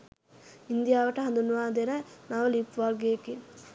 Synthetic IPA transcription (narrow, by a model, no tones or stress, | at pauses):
ind̪ijaːʋɐʈɐɦɐnd̪unʋaːd̪eɾɐnaʋɐlipʋaːlɡeːki